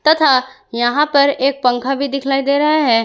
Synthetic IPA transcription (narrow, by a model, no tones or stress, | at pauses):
t̪ɐt̪ʰa | jɐɦãpɐɾeːk̚pɐ̃ŋkʰabʱid̪ɪkʰlaːid̪eːɾɐɦaɦɛː